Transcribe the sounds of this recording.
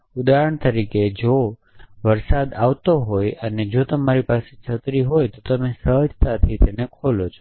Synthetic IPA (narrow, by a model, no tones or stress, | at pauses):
ud̪aɾəɳt̪əɾiked͡ʒo | ʋəɾsad̪aʋt̪oɦojəned͡ʒot̪əmaɾipaset͡ʃʰət̪ɾiɦojt̪ot̪əmesəɦəd͡ʒʱt̪at̪ʰit̪enekʰolot͡ʃʰo̥